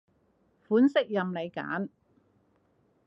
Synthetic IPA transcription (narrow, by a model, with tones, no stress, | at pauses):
fuː˨˥nsɪ˥k̚jɐ˨mle˨˧jka̰ː˨˥n